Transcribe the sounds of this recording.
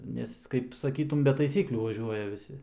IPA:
ˈnʲɛs kɐɪp sɐˈkʲiːtʊm bʲɛ tɐɪˈsʲiːklʲuː ʋɐˈʒʲuɔjɛ ʋʲɪˈsʲɪ

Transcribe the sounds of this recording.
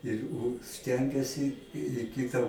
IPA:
ɪr ˈʊ ˈsʲtʲɛŋʲɡʲɛsʲɪ ɪ ˈkʲɪtɐ

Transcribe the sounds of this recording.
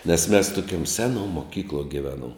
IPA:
nʲɛs mʲɛs toːˈkʲuɔm ˈsʲæːˌnuɔ moːˈkʲiːklˠuɔ ɡʲɪˈʋʲæːˌnuɔm

